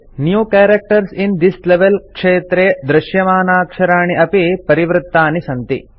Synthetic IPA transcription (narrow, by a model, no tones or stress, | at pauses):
njuːkeːɾɐk̚ʈɐɾsind̪isleʋelkʂeːt̪ɾeːd̪ɾɪʃjɐmaːnaːkʂɐɾaːɳiʔɐpipɐɾiʋɾɪt̪ːaːnisɐnt̪ḭ